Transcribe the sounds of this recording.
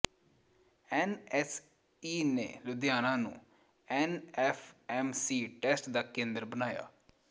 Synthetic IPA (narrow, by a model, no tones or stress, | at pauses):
ɛːnɛːs | iːnḛːlʊd̪jaːnãːnṵ̃ː | ɛːnɛːfʰɛːmsiːʈɛːsʈd̪aːkẽːnd̪əɾbənaːja̰ː